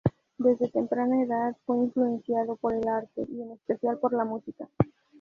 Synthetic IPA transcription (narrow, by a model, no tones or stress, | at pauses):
d̪e̞zðe̞t̪e̞mpɾanaeðaðfwe̞iɱflue̞nsjaðo̞po̞ɾe̞laɾt̪e̞̰ʔie̞ne̞spe̞θjalpo̞ɾlamusika